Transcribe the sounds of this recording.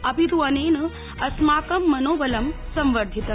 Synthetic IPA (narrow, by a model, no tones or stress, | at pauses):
ɐbʱiɾuɐneːnɨ | ɐsmaːkɐmːɐnoːʋɐlɐmsɐ̃mʋɐɾd̪ʱit̪ɐ